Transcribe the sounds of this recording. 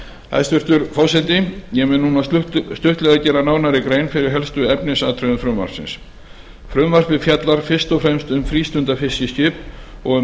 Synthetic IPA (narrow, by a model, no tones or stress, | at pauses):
a̰ðst̪vʏɾ̥t̪ʏɾfɔːwsɛt̪ɪjɛmɪːnːuːnast̪ʏht̪lɛɣðacɛːɾanaːwnaɾɪkɾeːjnfɪɾɪɾɦɛlst̪ʏɛpnɪsaːt̪ʰɾœnʏfɾʏmva̰ɾ̥sɪ̰ns | fɾʏmvar̥pɪ̥fjat̪laɾ̥fɪr̥st̪ɔfɾɛmst̪ʏmfɾiːst̪ʏnt̪afɪscɪscɪːpɔɣʏ